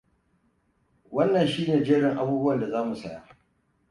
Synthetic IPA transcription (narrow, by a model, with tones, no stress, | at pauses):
wɐ˦nːɐ˨nʃiː˦neː˨d͡ʒe˦ɽɪ˨ŋʔa˨buː˦bu˦wɐ˨nda˨zaː˦mu˨sa˦˨ja˦